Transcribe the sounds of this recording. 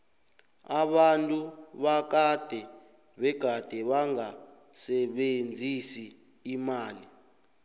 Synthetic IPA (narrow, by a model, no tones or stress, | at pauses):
aɓantʼuɓak̬ad̥ʱɛ | ɓɛɡ̥ʱad̥ʱɛɓaŋa | sɛɓend͡zʱisiː | maːli